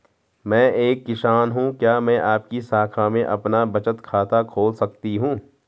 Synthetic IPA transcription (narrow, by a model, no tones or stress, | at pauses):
mɛ̃ːʔeːkːɪʃaːnɦũkjaːmɛ̃ʔaːp̚kisaːkʰamẽʔɐpnabɐt͡ʃət̪kʰaːt̪akʰoːlsɐk̚t̪iɦũː